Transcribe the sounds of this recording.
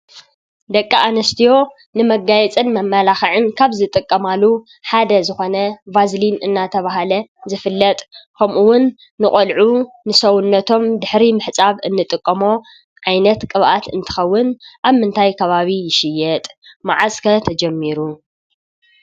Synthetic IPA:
d̪ɐkʼːaʔanɐst̪ʰijo̞ | nɨmɐɡajɛt͡sʼɨnmɐmːɐlaxɨʕɨnkʰaβzɨt̪ʼɨkʼːɐmalːu | ħad̪ɐzɨxo̞nɐvazlinɨnːat̪ʰɐβaɦalɐzɨfɨlːɐt̪ʼkʰɐmʔuwːʊnː | ɨχʼɐlʕu | nɨsɐwʊnːɐt̪ʰo̞md̪ɨħɾimɨħt͡sʼaβɨnːɨt̪ʼɨkʼːɐmo̞ | ʕajnɐt̪kʼɨβʔat̪ɨnt̪ʰɨ̥xɐwːʊnʔaβmɨnt̪ʰajkʰɐβaβijɪʃɪjːɛt̪ʼmaʕaskʰɐt̪ʰɐd͡ʒɐmːiɾu

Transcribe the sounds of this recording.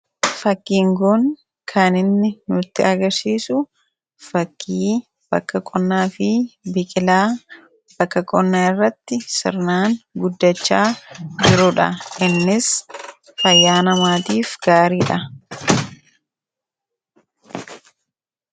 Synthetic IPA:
fɐkːiːŋɡʊŋ | kʰanɪnːɪnʊɪt̪ːɪɐɡɐɾsiːsʊ | fɐkʰːiː | b̥ɐ̰kːɐkʼɔnːaːfɪbɪkʼɪlaː | b̥ɐkːɐkʼɔnːaːɪrːɐt̪ːɪsɪ̰ɾnaːŋɡʊd̪ːɐt͡ʃːaːd͡ʒɪɾʊᶑɐ̰ɪnːɪs | fɐjːaːnɐmaːt̪iːfɡ̥aːɾiːᶑɐ

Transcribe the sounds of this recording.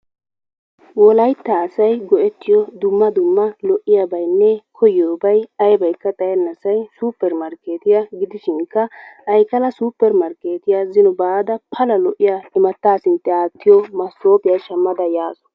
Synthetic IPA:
wɔlɐjt̪ːɐːsɐjɡɔʔɛt̪ʰːɪjɔd̪ʊmːɐd̪ʊmːɐlɔʔːɪjabɐjnːɛkʰɔjoːbɐjɐjbɐjkːɐt̪ʼɐjɛnːɐsɐjsuːpːɛɾmɐɾkeːt̪ɪjɐɡɪd̪ɪʃɪŋkːɐʔɐjkɐlɐsuːpːɛɾmɐɾkeːt̪ɪjazɪnɔbaːd̪ɐpʰɐlɐlɔʔɪjaɪmɐt̪ːaːsɪnt̪ːɛaːt̪ːɪjɔmɐsːoːpɪjɐjʃɐmːɐd̪ɐjaːsɔ̥

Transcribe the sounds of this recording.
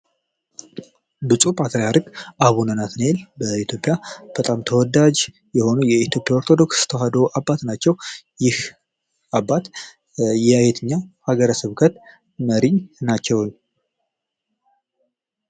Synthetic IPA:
bɨsʼupʼat̪ʰəɾjaɾɨɡʔaβunənat̪nelbəit̪ʰjo̞pʼjab̥ət̪ʼamt̪ʰəwɔd̪ad͡ʒ | jɛho̞nujɛit̪ʰjo̞pʼːjaoɾt̪ʰod̪o̞kst̪ʰəɦad̪əɾoʔabːat̪nat͡ʃːɛwjɪh | abːat̪ | jɛjet̪ʰɨɲːahaɡəɾəsəβkʰət̪ | məɾiɲnat͡ʃːɛwn

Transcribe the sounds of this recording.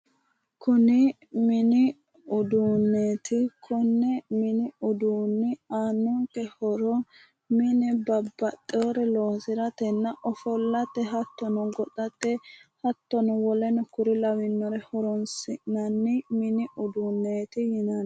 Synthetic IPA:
kʰʊnɪ | mɪnɪ | ʊd̪unːeːt̪ɪkʰɔnːɛmɪnɪʊd̪uːnːɪaːnːʊŋkɛhɔɾɔ | mɪnɛbɐbːɐt̪ʼːɛwɔɾɛlɔːsɪɾɐt̪ɛnːɐʔɔfɔlːɐt̪ːɛɦɐt̪ːɔnɔɡɔt̪ʼɐt̪ːɛhɐt̪ːɔnɔwɔlɛnɔkʊɾɪlɐwɪnːɔɾɛhɔɾɔnsɪnɐnːɪmɪnɪʔʊd̪unːeːt̪ɪhɪnɐn

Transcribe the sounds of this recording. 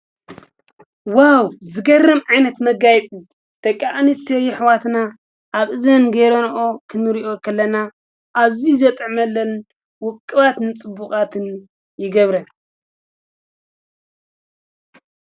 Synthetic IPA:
wawzɨɡɐrɐmʕajnɐt̪mɐɡajt͡sʼi | t̪ʰɐkʼːaʔnisɐjɪħwat̪na | ʔaβʔɨzɐnɡeɾonʔokʰɨnɨɾiʔo̞kʰɐlːɐna | ʔazizɐt̪ʼʕmɐlːɐn | wʊkʼːɨβat̪nɨt͡sʼɨbːukʼat̪ʰɨn | jɪɡɐβɾɐ

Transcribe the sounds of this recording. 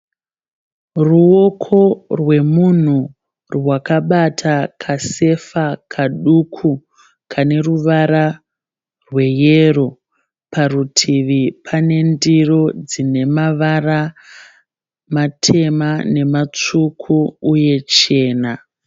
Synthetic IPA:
ruo̞kʰo̞rwe̞mun̤u | rwakaɓatʰakʰase̞fakʰaɗukʰu | kʰane̞ruʋaɾa | rwe̞jero̞ | pʰarutʰiʋipʰane̞ndiro̞d͡zine̞maʋara | matʰe̞mane̞mat͡ʂukʰuuje̞t͡ʃe̞ːna

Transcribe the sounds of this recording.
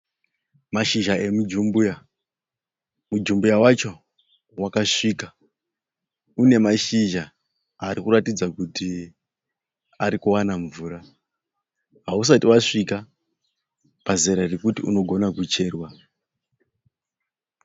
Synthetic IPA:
maʃiʒae̞mud͡ʒumbuja | mud͡ʒumbujawat͡ʃo̞ | wakaʂiːka | une̞maʃiʒa | aɾikuratid͡zakuti | aɾikuwanaɱvuːɾa | ɦaus̬atiwaʂika | pazeɾarekutiṵno̞ɡʱo̞nakut͡ʃe̞ːrwa

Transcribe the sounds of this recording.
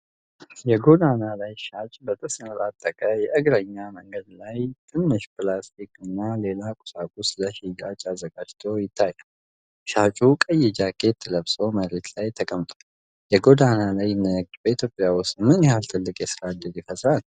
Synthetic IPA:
jɛɡod̪analajʃat͡ʃʼbət̪ʼɨsnɨɾat̪ʼːəkʼajɛʔɨɡɾəɲːaməŋɡəd̪lajt̪ʰɨnːɨʃpɨlast̪ʰikʰʼɨnːale̞lakʼʊ̥sakʼusləʃiɡat͡ʃʼazəɡad͡ʒt̪ʰowjɪt̪ʰːajːɛ | ʃat͡ʃʼukʼəjɛd͡ʒakʰʼet̪ʰːələβsʼo̞məɾe̞t̪lajt̪ʰəkʼəmt̪ʼḁ | jɛɡo̞d̪analajːɪnːəɡ̚d͡ʒbəit̪ʰjopʼːjawʊsmɨnjɛhalt̪ʰɨlːɨkʼjɛsɨɾad̪ɨɾjɪfəsʼɾal

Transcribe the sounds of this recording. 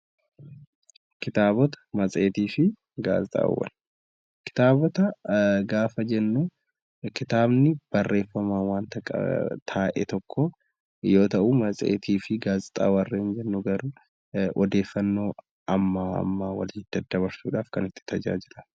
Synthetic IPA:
kɪt̪aːbɔt̪ɐ̥mɐt͡sʼe̞ːt̪iːfɪ | ɡa̰ːzɪt̪ʼa̰ːwɐ̰n | kɪ̥t̪aːbɔt̪ɐɡaːfɐd͡ʒɛnːuː | kɪt̪aːbnɪb̥ɐrːe̞ːfːɐmaːwaːnt̪ɐkt̪ʰaːʔɛt̪ɔkʰːɔ | jo̞ːt̪ɐʔuːmɐt͡sʼḛːt̪ʰiːfɪɡaːzɪt̪ʼa̰ːwɐrːɐɪnd͡ʒɛnːuɡɐɾuː | ʔɔd̪e̞ːfːɐnːo̞ː | ɐmːaɐ̰mːaːwɐ̰lːd̪̥ɐd̪ɐβɐɾsuːᶑaːfkɐnɪt̪ːɪ̥t̪ɐd͡ʒa̰ːd͡ʒɪlɐ̥

